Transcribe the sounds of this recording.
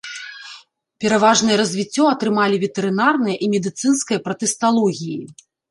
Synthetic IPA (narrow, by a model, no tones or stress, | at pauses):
pʲɛɾavaʐnɨjɐɾɐzʲvʲit͡sʲːɔɐt̪ɾɨmalʲivʲɛt̪ɛɾɨnarnɨjɐʔimʲɛd̪ɨt̪sɨnskɐjɐpɾɐt̪ɛst̪alˠɔɣʲiji